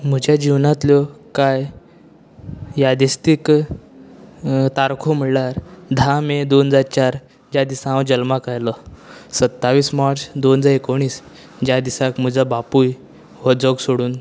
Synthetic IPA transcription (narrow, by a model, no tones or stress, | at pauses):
m̤ud͡ʑjad͡ʑiwnat̪ljɔkaj | jad̪ist̪ik | t̪aɾkʰom̤iɽlaɾd̪ʱamed̪ond͡zaɾt͡ɕaɾ | d͡ʑad̪isaãwd͡ʑəlmakajləsət̪ːaʋiːsmaɾt͡sd̪ond͡zaɾekoɽ̃iːs | d͡ʑjad̪isakm̤ud͡zabapuj | ʋəd͡zɔɡsoɽuːn